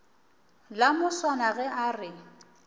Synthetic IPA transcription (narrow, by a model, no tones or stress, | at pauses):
lamʊswanaɣɛʔarɪ